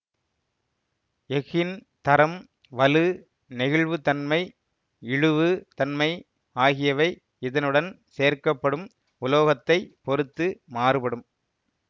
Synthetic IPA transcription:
ɛɣɪn | t̪ɐɾɐm | ʋɐlɯ | nɪɣɪɭʋɯt̪ɐnmɐɪ | ɪɻɯʋɯt̪ɐnmɐɪ | aːɣɪjɐʋɐɪ | ɪðɐnɯɽɐn | seːɐɾkɐpːɐɽɯm | ʊloːɣɐt̪ːɐɪpɔɾɯt̪ːɯmaːɾɯpɐɽɯm

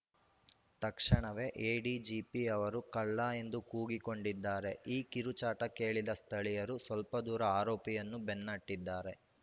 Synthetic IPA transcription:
t̪ɐkʂɐɳɐʋe̞ʔeːɖid͡ʒiːpiɐʋɐɾukɐɭːae̞nd̪ukuːɡiko̞ɳɖid̪ːaːɾe̞iːkiɾut͡ʃaːʈɐke̞ːɭid̪ɐst̪ʰɐɭijɐɾusʋɐlpɐd̪uːɾɐaːɾɔːpijɐnːubenːɐʈːid̪ːaːɾe̞

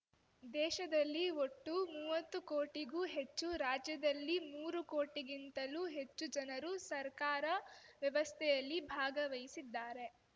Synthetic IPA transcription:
d̪ɛːʃɐd̪ɐlːioʈːumuːʋɐt̪ːukoːʈiɡuːɦe̞t͡ʃːuɾaːd͡ʒjɐd̪ɐlːimuːɾuko̞ːʈiɡint̪ɐluɦe̞t͡ʃːud͡ʒɐnɐɾusɐɾkaːɾɐʋjɐʋɐst̪ʰɛjɐlːibʱaːɡɐʋɐjisid̪ːaːɾe̞

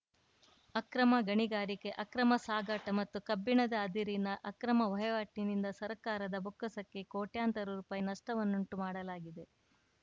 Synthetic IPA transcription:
ɐkɾɐmɐɡɐɳiɡaːɾike̞ʔɐkɾɐmɐsaːɡɐʈɐmɐt̪ːukɐbːiɳɐd̪ɐːd̪iɾinɐʔɐkɾɐmɐʋɐjɐʋaːʈːinind̪ɐsɐɾkaːɾɐd̪ɐbokːɐsɐkːe̞koːʈjaːnt̪ɐɾuɾuːpaːjinɐʂʈɐʋɐnːuɳʈumaːɽɐlaːɡid̪e̞

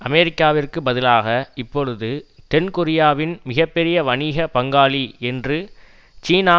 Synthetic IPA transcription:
ɐmɛɾɪkːaːʋɪrkɯbɐðɪlaːɣɐɪpːɔɻɯðɯt̪ɛnkʊɾɪjaːʋɪnmɪɣɐpːɛɾɪjɐʋɐniɣɐpɐŋɡaːliɛndrɯ | t͡ʃiːnaː

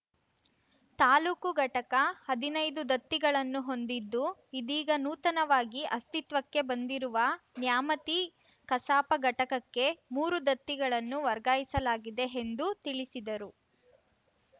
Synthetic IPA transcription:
t̪aːluːkuɡɐʈɐkɐhɐd̪inɐjd̪ud̪ɐt̪ːiɡɐɭɐnːuɦo̞nd̪id̪ːuid̪iːɡɐnuːt̪ɐnɐʋaːɡiʔɐst̪it̪ʋɐkːe̞bɐnd̪iɾuʋɐnjaːmɐt̪i | kɐsaːpɐɡɐʈɐkɐkːe̞muːɾud̪ɐt̪ːiɡɐɭɐnːuʋɐɾɡaːjisɐlaːɡid̪e̞ːnd̪ut̪iɭisid̪ɐɾu

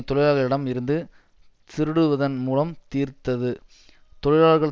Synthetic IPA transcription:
t̪ɔɻɪlaːɭɣɐɭɪɽɐmɪɾɯnd̪ɯ | t̪ɪɾɯɽɯʋɐðɐnmuːlɐmt̪iːɾt̪ɐðɯ | t̪ɔɻɪlaːɭɣɐɭ

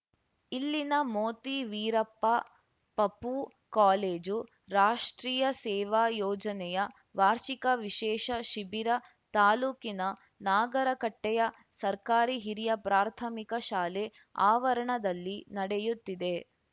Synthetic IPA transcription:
ilːinɐmoːt̪iʋiːɾɐpːa | pɐpu | kaːleːd͡ʒu | ɾaːʂʈɾiːjɐsɛːʋaːjɔːd͡ʒɐnɛjɐ | ʋaːɾʃikɐʋiʃɛːʃɐʃibiɾɐ | t̪aːluːkinɐ | naːɡɐɾɐkɐʈːɛjɐ | sɐɾkaːɾiɦiɾijɐpɾaːɾt̪ʰɐmikɐʃaːle | aːʋɐɾɐɳɐd̪ɐlːinɐɽɛjut̪ːid̪e

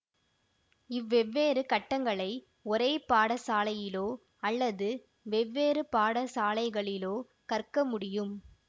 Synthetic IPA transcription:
ɪʋːɛʋːeːɾɯkɐʈːɐŋɡɐɭɐɪ | ɔɾeːpaːɽɐsaːlɐjɪloː | ɐlːɐðɯ | ʋɛʋːeːɾɯpaːɽɐsaːlɐɪɣɐɭɪloː | kɐrkɐmʊɽɪjɯm

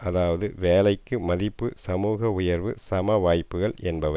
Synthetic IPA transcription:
ɐðaːʋɐðɯʋeːlɐɪkːɯmɐðɪpːɯsɐmuːɣɐʊjɐɾʋɯsɐmɐʋaːjpːɯɣɐɭɛnbɐʋɐ

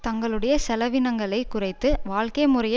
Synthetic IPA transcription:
t̪ɐŋɡɐɭɯɽɐjɐsɛlɐʋɪnɐŋɡɐɭɐɪkʊrɐɪt̪ːɯʋaːɭkeːmʊrɐj

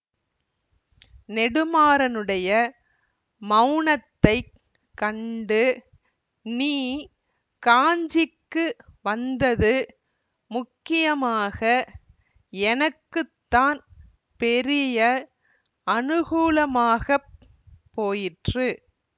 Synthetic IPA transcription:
nɛɽɯmaːɾɐnɯɽɐjɐ | mɐʊɳɐt̪ːɐɪ | kːɐɳɖɯ | niː | kaːɲd͡ʒɪkːɯʋɐnd̪ɐðɯ | mʊkːɪjɐmaːɣɐ | ɛnɐkːɯt̪ːaːn | pɛɾɪjɐ | ɐnɯɣuːlɐmaːɣɐː | oːjɪʈrɯ

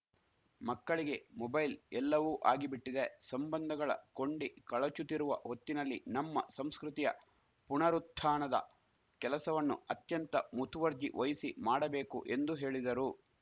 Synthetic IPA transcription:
mɐkːɐɭiɡe̞mɔbɐjlɛlːɐʋuːʔaːɡibiʈːid̪esɐmbɐnd̪ʱɐɡɐɭɐ̰ko̞ɳɖikɐɭɐt͡ʃut̪iɾuʋɐɦot̪ːinɐlːḭnɐmːɐ̰sɐmskɾut̪ijɐ̰ | puɳɐɾut̪ʰːaːɳɐd̪ɐ̰ | kɛlɐsɐʋɐnːṵɐt̪jɐnt̪ɐmut̪ʰʋɐɾd͡ʒḭʋɐjisimaːɽɐbe̞ːkṵʔe̞nd̪uɦe̞ːɭid̪ɐɾu

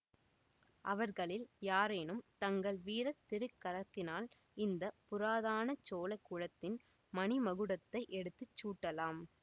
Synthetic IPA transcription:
ʔɐʋɐɾɣɐɭɪljaːɾeːnɯmt̪ɐŋɡɐɭʋiːɾɐt̪ːɪɾɯkːɐɾɐt̪ːɪnaːl | ɪnd̪ɐpʊɾaːðaːnɐt͡ʃoːlɐkːuɻɐt̪ːɪn | mɐnimɐɣɯɽɐt̪ːɐɪʔɛɽɯt̪ːɯt͡ʃːuːʈːɐlaːm

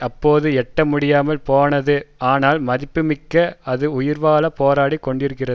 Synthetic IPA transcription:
ɐpːoːðɯɛʈːɐmʊɽɪjaːmɐlpoːnɐðɯaːnaːlmɐðɪpːɯmɪkːɐɐðɯʊjɪɾʋaːlɐpoːɾaːɽikːɔɳɖɪɾɯkːɪrɐðɯ

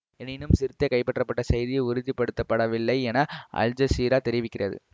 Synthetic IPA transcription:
ɛnɪnɯmsɪɾɯt̪ːɐkɐɪpːɐʈːrɐpːɐʈːɐsɐjðɪjɐɪʊɾɪnd͡ʒipːɐɽɯt̪ːɐpːɐɽɐʋɪlːɐɪɛnaʔɐ̰ld͡ʒɐsiːɾaːt̪ɛɾɪʋɪkʲːɪrɐðɯ̰

